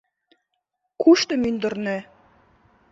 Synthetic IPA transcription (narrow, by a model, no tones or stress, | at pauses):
kʰuʃt̪ɤ̆mynd̪ə̆rnĕ